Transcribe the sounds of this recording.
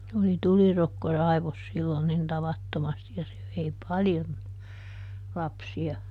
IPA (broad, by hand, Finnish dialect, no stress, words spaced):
oli tulirokːo rɑiʋos silːon nin tɑʋɑtːomɑsti jɑ se ʋei pɑljon lɑpsiɑ